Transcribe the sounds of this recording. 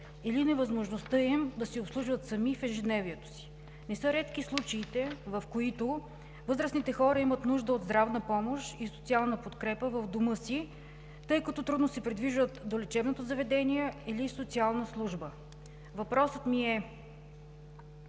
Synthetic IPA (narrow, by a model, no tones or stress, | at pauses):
ilinɛvəzmoʒnost̪ɤimd̪ɐsiopslˠuʒvət̪sɐmifɛʒɛd̪nɛviɛt̪o̥si̥ | nɛsɤɾɛt̪k̟islˠut͡ʃɛit̪ɛvɐfkoit̪o | vɤzɾəsnit̪ɛxɔɾəimət̪nuʒd̪əod̪zd̪ɾavnəpɔmoʃisot̪sialˠnəpot̪kɾɛpəvəvd̪omɤsi | t̪ɤjkɐt̪ɔt̪ɾud̪nosɛpɾid̪viʒvət̪d̪olɛt͡ʃɛbnot̪ozɐvɛd̪ɛniɛilisot̪sialˠnəslˠuʒbə | vɐpɾɔsət̪miɛ